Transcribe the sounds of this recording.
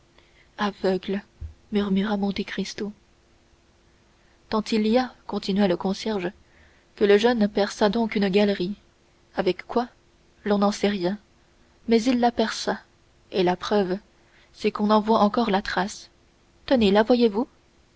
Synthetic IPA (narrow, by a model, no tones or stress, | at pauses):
avœɡlmyʁmyʁamɔ̃t̪ekχist̪o | t̪ɑ̃t̪ʰilijakɔ̃t̪inɥaləkɔ̃sjɛʁʒ | kələʒœnpɛʁsad̪ɔ̃kynɡʲalʁi | avɛkːwa | lɔ̃nɑ̃sɛʁjɛ̃ | mɛzilːapɛʁsa | elapχœv | sɛkɔ̃nɑ̃vwaʔɑ̃kɔʁlat̪χas | t̪ənelavwajevu